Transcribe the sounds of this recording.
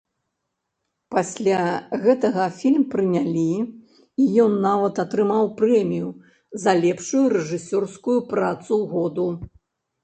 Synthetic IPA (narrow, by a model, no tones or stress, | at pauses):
pasʲlʲaɣɛt̪ɐɣɐfʲilʲmpɾɨnʲalʲi | ijɔnːavɐt̪ɐt̪ɾɨmawpɾɛmʲiju | zɐlʲɛpʂujuɾɛʐɨsʲɔrskujupɾat̪suɣɔd̪u